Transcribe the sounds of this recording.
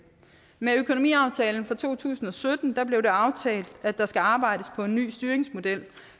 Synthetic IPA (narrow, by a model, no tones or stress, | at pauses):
meøkʰo̝no̝mḭːɑ̈ʊt͡sʰɛːln̩fʁɑ̈t͡sʰo̝̰ːt͡sʰṵːsn̩ɒ̽sød̥n̩d̥ɑ̈b̥le̝ʊɾe̝ɑ̈ʊt͡sʰɛ̰ːld̥ædd̥ɑ̈sɡ̥æɑ̈ːb̥ɑ̈ɪ̰ɾ̥əspʰɒ̽e̝nːy̰ːsd̥yːɐeŋsmo̝d̥el̰